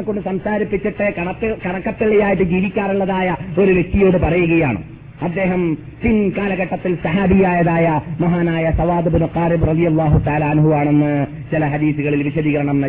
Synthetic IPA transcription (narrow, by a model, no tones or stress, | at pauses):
kːoɳɖɨsɐmsaːɾipːit͡ɕːiʈːɨkɐɳpːkɐɳɐkːɐpːiɭːɐjaːjiʈːɨd͡ʑiːʋikʲːaːruɭːɐðaːjɐo̞ɾuʋje̞k̚t̪ijo̞ːɽɨpɐrɐjuɣɐjaːɳɨ̰ | ɐd̪ːe̞ːɦɐm | pinkaːlɐɣɐʈːɐt̪ːilsɐɦaːbijaːjɐðaːjɐmɐɦaːnaːjɐsɐʋaːd̪ɨbɨnuqaːribrɐðijɐlːaːɦut̪ɐaːlaːnɦuʋaːɳenːɨ | t͡ɕilɐɦɐd̪iːsuɣɐɭilʋiɕɐðiːɣɐɾɐɳɐmnɐ